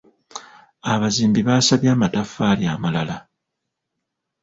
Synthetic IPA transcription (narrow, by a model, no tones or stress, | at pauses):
aβaziːmbiβaːsaβjaːmatafːaːljaːmalala